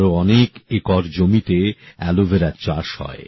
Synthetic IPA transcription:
ɾoɔnekekɔɾd͡ʑomit̪eɛlobʱeɾaɾt͡ɕaʃhɔ̰e

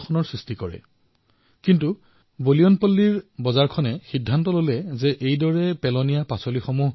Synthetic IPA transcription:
kʰɔnɔɹsɹistikɔɹɛ̰ | kintu | bolijɔnpolːiɹbɔzaɹkʰɔnɛxidʱːantɔlolɛzɛʔejdɔɹɛpɛlɔnijapasolixomuɦ

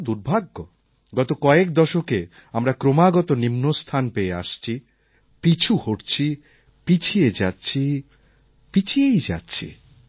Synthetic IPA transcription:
d̪uɾbʱaɡːo | ɡɔt̪okɔek̚d̪ɔʃoke | amɾakɾomaɡɔt̪onimnost̪ʰanpeeaʃt͡ɕʰi | pit͡ɕʰuhoʈt͡ɕʰi | pit͡ɕʰied͡ʑatːɕʰi | pit͡ɕʰiejd͡ʑa̰tːɕʰḭ

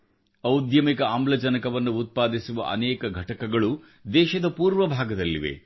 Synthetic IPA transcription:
ɐwud̪jɐmikɐaːmblɐd͡ʒɐnɐkɐʋɐnːuːt̪̚paːd̪isuʋɐ̰ʔɐ̰nɛːkɐɡʱɐʈɐkɐɡɐɭu | d̪ɛːʃɐd̪ɐpuːɾʋɐbʱaːɡɐd̪ɐlːḭʋe̞̰

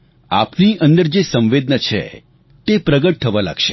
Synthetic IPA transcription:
apniʔənd̪əɾd͡ʒesə̃mʋed̪̚nət͡ʃʰḛ | t̪epɾəɡəʈ̚t̪ʰəʋala̰ɡʃe̥

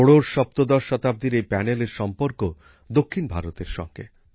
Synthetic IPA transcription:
oɽoɾʃɔp̚t̪od̪ɔɾʃɔt̪ab̚d̪iɾepɛneleɾʃɔmpoɾko | d̪okʰːinbʱaɾot̪eɾʃɔ̰ŋɡḛ

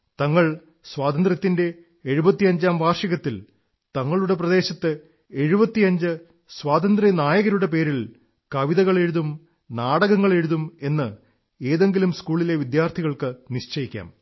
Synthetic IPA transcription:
t̪ɐŋːɐɭ | swaːt̪ɐnd̪rɐt̪ːinde̞ː | ɻubɐt̪ːiɐɲd͡ʑaːmʋʱaːrʂɐɣɐt̪ːil | t̪ɐŋːɐɭuɽe̞p̬rɐd̪e̞ːɕɐt̪ːɨ | e̞ɻubɐt̪ːiɐɲd͡ʑɨ | swaːt̪ɐnd̪rinaːjɐɣɐɾuɽe̞pe̞ːɾil | kɐʋiðɐɣɐɭe̞ɻuðum | naːɽɐɣɐŋːɐɭe̞ɻuðume̞nːɨ | e̞ːðe̞ŋɡilumskuːɭile̞ʋid̪jaːrt̪ʰiɣɐɭkɨniʂt͡ɕɐjikʲːa̰ːm

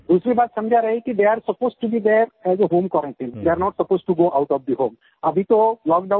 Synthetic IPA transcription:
d̪uːsɾibaːt̪sɐ̃md͡ʒʱaɾɐɦikid̪eaɾsəpoːsʈubid̪eɾɛzəɦõːmkɔɾə̃nʈĩnd̪eaɾnɔʈsəpoːsʈuɡoːʔaʊʈɔfd̪iɦõːm | ɐbʱit̪olɔːk̚ɖã

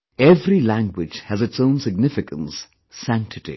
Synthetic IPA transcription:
ɛvɾilæ̃ŋɡwɪd͡ʒhɨzɨtsõʊ̃nsɨɡ̚nɪfɪkə̃nsː | æ̃ŋk̚tʰɨtḭ

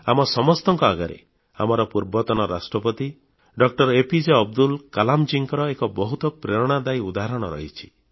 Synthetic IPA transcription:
a̰mɔsɔmɔst̪ɔŋkɔaɡaɾḛ | a̰mɔɾɔpuɾbɔt̪ɔnɔɾa̰sʈɾɔpɔt̪i | ɖɔk̚ʈɔɾepid͡ʒeɔb̚d̪ulkalamd͡ʒiŋkɔɾɔekɔbɔɦut̪ɔpɾeɾɔɽ̃ad̪ajud̪aɦaɾɔɽ̃ɔɾɔ̰ɦit͡ʃʰi̥

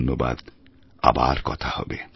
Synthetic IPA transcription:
nːoba̰d̪ | a̰baɾkɔt̪ʰahɔbe

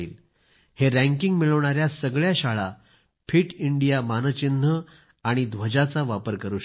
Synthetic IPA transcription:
iːl | heɾæ̃ŋkiŋɡmiɭəʋɳaɾjasəɡɭjaɕaɭa | pʰiːʈiɳɖijamanət͡ɕind̪ʱə | aɽ̃id̪ʱʋəd͡ʑat͡saʋapəɾkəɾuː

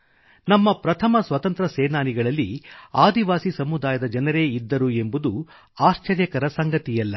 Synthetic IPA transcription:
nɐmːɐpɾɐt̪ʰɐmɐsʋɐt̪ɐnt̪ɾɐsɛːnaːniɡɐɭɐlːiaːd̪iʋaːsisɐmud̪aːjɐd̪ɐd͡ʒɐnɐɾe̞ːid̪ːɐɾue̞mbud̪u | aːʃt͡ʃɐɾjɐkɐɾɐsɐŋɡɐt̪ijɐlːɐ

